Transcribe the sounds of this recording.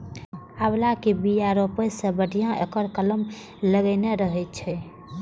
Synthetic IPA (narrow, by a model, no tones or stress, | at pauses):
ablakebiaɾopəsẽbəɽʱijãʔḛkəɾkələm | ləɡəneɾəɦɛt̪̚t͡ʃʰɛ